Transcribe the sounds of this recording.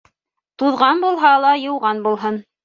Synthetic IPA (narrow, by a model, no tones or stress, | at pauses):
t̪uðʁɑnbulˠɦɑlˠɑjɤ̆wʁɑnbulˠɦɤn